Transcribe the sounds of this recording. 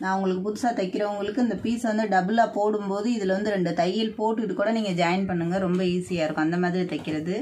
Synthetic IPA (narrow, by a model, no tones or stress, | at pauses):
nãːʊŋɡɐɭɯkːɯpʊðʊsaːt̪ɐkːɪɾɐʊŋɡɐɭɯkːɯɪnd̪ɐpiːsʋɐnd̪ɯɖɐbɯlaːpoːɽɯmpoːðɯɪðɪlʋɐnd̪ɯɾɛɳɖɯt̪ɐjɪlpoːʈːɯɪʈːɯkːuːɽɐniːŋɡɐd͡ʒaːjɐnpɐɳːɯŋɡɐɾɔmbɐiːsɪjaːɪɾɯkːʊ̃ɐnd̪ɐmaːðɪɾit̪ɐkːɪɾɐðɯ